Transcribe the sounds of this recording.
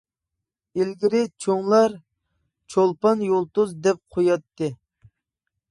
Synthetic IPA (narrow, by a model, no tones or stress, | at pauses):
ilɡʲiɾɪt͡ʃʰoŋlˠɑɾ | t͡ʃʰolˠpɑnjolˠt̪uzd̪ɛp̚qʰojɑt̪ʰːɨ